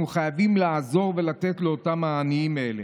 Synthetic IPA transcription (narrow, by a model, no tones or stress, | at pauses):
uχajavimlaːzo̞ʁve̞lat̪etle̞o̞tamhaːniimele